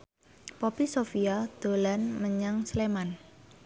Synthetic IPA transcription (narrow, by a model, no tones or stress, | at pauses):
pɔpisofiad̪̥o̤lanməɲaŋsleman